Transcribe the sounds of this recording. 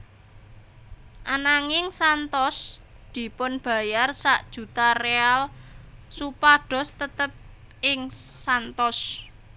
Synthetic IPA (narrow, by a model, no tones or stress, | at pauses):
ʔanaŋɪŋsant̪ɔs | d̪̥i̤pʊnb̥ä̤jarsaʔd̥ʒ̥ṳt̪arealsupaɖ̥ɔ̤st̪ət̪əp̚ | ɪŋsant̪ɔs